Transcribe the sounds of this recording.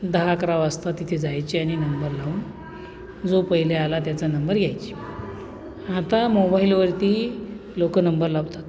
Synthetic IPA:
d̪əɦakɾaʋəst̪at̪it̪ʰed͡zajt͡ɕiaɽ̃inəmbəɾlaʋun | d͡zopəɦilealat̪jat͡sanəmbəɾɡʱjajt͡ɕi̥ | at̪amobailʋəɾt̪iː | lokənəmbəɾlaʋt̪at̪

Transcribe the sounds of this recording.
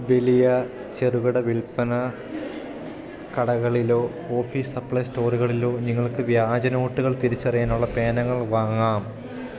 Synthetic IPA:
ʋe̞lijɐ | t͡ɕe̞ruɣɐɽɐʋilpɐnɐ | kɐɽɐɣɐɭilo̞ː | oːfiːsɐpːɭɐjsto̞ːruɣɐɭilo̞ːniŋːɐɭkɨʋjaːd͡ʑɐno̞ːʈːuɣɐɭt̪iɾit͡ɕːɐrɐjaːnuɭːɐpe̞ːnɐŋːɐɭʋaːŋːaːm

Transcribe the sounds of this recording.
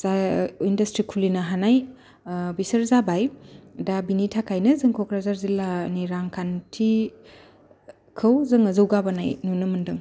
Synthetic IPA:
zaindɐstɾikʰulinɐɦanaj | bisɐɾzabajdabinitʰakʰajnɐzɯŋkʰɔkɾazaɾzilaniɾaŋkʰantʰi | kʰɯwzɯŋɐzɯwɡabana̰jnunɯmɐndɯŋ

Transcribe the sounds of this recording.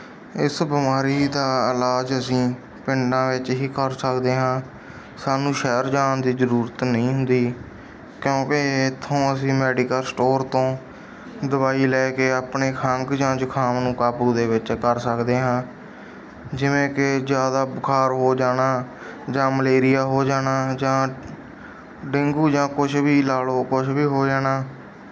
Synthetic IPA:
ɪsbɪmaːɾiːd̪aːɪlaːd͡ʒəsĩː | pɪɳɖãːʋɪt͡ʃɦiːkəɾsəkd̪eːɦãː | saːnũːʃɛːɾd͡ʒaːnd̪iːzəɾuːɾət̪nəĩːɦʊnd̪iː | kjõːkeɪt̪ʰːõːəsĩːmɛːɖɪkəlsʈoːɾt̪õː | d̪əbaːiːlɛːkeːaːpɳeːkʰəŋɡd͡ʒãːd͡ʒʊkʰaːmnũːkaːpɾuːd̪eːʋɪt͡ʃkəɾsəkd̪eːɦãː | d͡ʒɪʋẽːkɪzjaːd̪aːbʊkʰaːɾɦoːd͡ʒaːnaː | d͡ʒãːməleːɾɪjaːɦoːd͡ʒaːnaːd͡ʒãː | ɖɪŋɡuːd͡ʒãːkʊt͡ʃʰbiːlaːloːkʊt͡ʃʰbiːɦoːd͡ʒaːnaː

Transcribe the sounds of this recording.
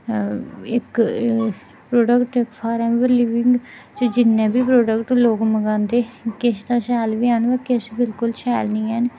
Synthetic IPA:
ɪk | pɾoːɖəkʈɪkpʰaːɾɛːmʋəɾliːʋɪ̃ŋɡt͡ʃəd͡ʒɪnːẽːbiːpɾoːɖəkʈloːkməɡãːnd̪eːkɪsd̪aːsɛːlʋiːaːnʋɛːkɪsbɪlkʊlsɛːlnĩːɦɛːn

